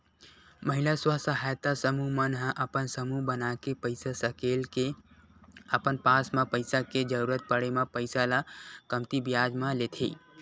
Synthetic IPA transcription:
məɦilaswəɦsəɦajt̪asəmuɦmənɦãʔəpənsəmuɦbənakepəɪsasəkelke | əpənpasmãpəɪsaked͡ʒəɾuɾət̪̚pəɽemapəɪsalakəmt̪ibjad͡ʒmãlet̪ʰḭ

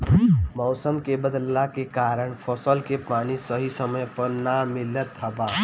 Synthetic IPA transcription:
mɔwsəmkebəd̪lːakekaɾəɳpʰəsəlkepanisəɦisəməjpəɾnamilət̪ɦəba

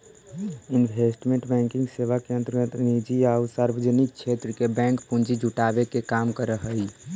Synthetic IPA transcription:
inbʱesʈmẽɳʈbɛ̃ŋkiŋɡseʋakeə̃nt̪əɾɡət̪nid͡ʒiausaɾbəd͡ʒənik̚t͡ʃʰet̪ɾəkebɛ̃ŋkpund͡ʒid͡ʒʱuʈabekekamkəɾəɦəi

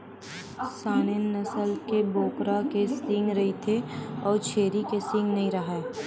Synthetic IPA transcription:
saːnenːɐsəlkeboːkɾakesɪ̃ŋɡɾɐɦit̪ʰeɔːɾt͡ʃʰeːɾikesɪ̃ŋɡnɐɦĩɾɐɦaeː

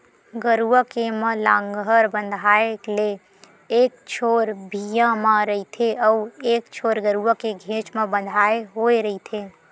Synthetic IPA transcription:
ɡəɾuəkeməlãŋɡɦəɾbənd̪ʱaele | ek̚t͡ʃʰoɾbʱijãməɾəit̪ʰeəuekt͡ʃʰoɾɡəɾuəkeɡʱẽt͡ʃmebə̃nd̪ʱaeɦoeɾəit̪ʰe

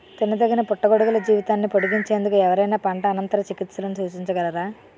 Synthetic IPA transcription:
t̪inːɐd̪ɐɡɐnɐpuʈːɐɡoɽuɡulɐd͡ʒiːʋit̪aːnːipoɽuɡiɲt͡ʃe̞ːnd̪ukuɛʋɐɾɐjnaːpɐɳʈɐːnɐnt̪ɐɾɐt͡ʃikit̪sɐlɐnisuːt͡ʃiɲt͡ʃɐɡɐlɐd̪aː

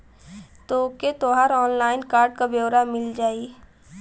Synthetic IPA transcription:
t̪oʊket̪oɦaːɾɔːnlaːɪnkaːɾɖkabeːɾamɪld͡ʒaːi

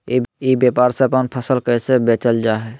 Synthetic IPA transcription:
ibjepaɾsẽəpənpʰəsəlkəsebet͡ʃəld͡ʒaɦɛ

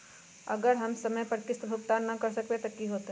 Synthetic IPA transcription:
ɐɡəɾɦɐmsɐməjpəɾkɪst̪bʱuk̚t̪annɐkɐɾsɐkpet̪ɐkiɦoːt̪

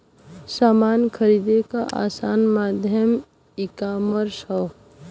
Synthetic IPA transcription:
saːmaːnkʰəɾid̪ekaʔa̰ːsaːnmaːd̪ʱjəm | ɪkaːməɾsɔw

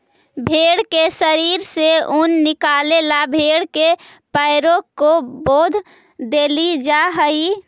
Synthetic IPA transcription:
bʱeːɽkesəɾiːɾseunːɪkaːlelabʱeːɽkepəɪɾõkoboːd̪ʱ | d̪eːlid͡ʒaɦəi

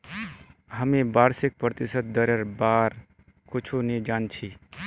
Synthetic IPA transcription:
ɦəmebaːɾsik̚pɾət̪isət̪̚d̪əɾeɾbaɾ | kʊt͡ʃʰunid͡ʒaːnt͡ʃʰi

